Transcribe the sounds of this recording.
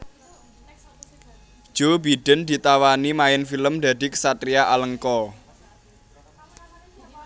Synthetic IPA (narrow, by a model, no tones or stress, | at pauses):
d̥ʒ̥obid̥ə̤nd̪̥i̤t̪awanimaɪnfiləmd̪a̤d̪̥iksat̪ɾiaʔaləŋkɔ